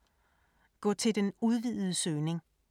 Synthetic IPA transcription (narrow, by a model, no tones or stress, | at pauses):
ɡ̥ɒ̰ːt͡sʰe̝ld̥enuð̞ˠʋiðˠð̩ˠəsøːne̝ŋ